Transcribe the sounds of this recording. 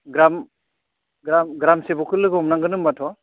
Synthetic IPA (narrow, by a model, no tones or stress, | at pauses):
ɡɾam | ɡɾamɡɾamsebɔkʰɯlɯɡɔmnaŋɡɯnɯmːatʰɔ